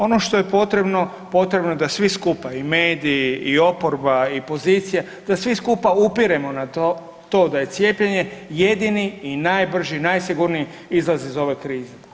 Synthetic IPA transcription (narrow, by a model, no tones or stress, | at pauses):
o̞no̞ʃt̪o̞je̞po̞t̪ɾe̞bno̞ | po̞t̪ɾebnod̪asʋiskupaime̞ːd̪iːio̞po̞ɾbaipo̞ziːt̪sija | d̪̥asʋiskupaupiɾe̞mo̞nat̪o | t̪o̞ːd̪aje̞t̪sʲje̞ːpʎeɲe̞je̞d̪iniinaːjbr̩ʒinajsiɡuɾnii | izlazizo̞ʋe̞kɾiːze